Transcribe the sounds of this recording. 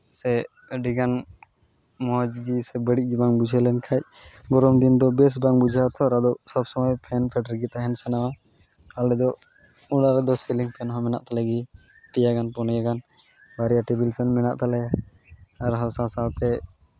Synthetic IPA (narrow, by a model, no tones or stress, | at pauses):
sɛ | ɖiɡan | mɔd͡ʒɡisɛbəɽic̚ˀd͡ʒibaŋbud͡ʒʱɛlɛnkʰac̚ɡɔɾɔmd̪ind̪ɔbɛs̬baŋbud͡ʒʱat̪ʰɔɾad̪ɔʔsɔbsɔmɔjpʰɛnpʰɛʈəɾɡit̪aɦɛnsɛnawa | alɛd̪ɔ | uɽaɾɛd̪ɔsɛliŋpʰɛnɦɔ̃mɛna̰ʔt̪alaɡi | ʈijaɡanpɔnɛjaɡan | baɾijaʈibilpʰɛnmɛna̰ʔt̪alɛja | aɾɦɔsasat̪ɛ